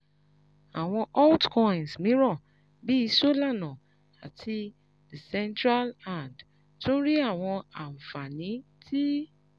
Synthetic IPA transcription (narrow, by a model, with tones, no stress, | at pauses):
a˨w̃ɔ̃˧ʔɔ˦tkɔ̃˧˨ĩ˨nsmĩ˨˦ɾɔ˦˨ | bi˦i˧so˦la˦˨nã˨ | a˨tʰi˧˨ | sɛ̃˧ntɾa˦lã˦˨nd | tũ˦ɾi˦a˦˨w̃ɔ̃˧a˨m̩˨fa˨nĩ˨˦tʰi˦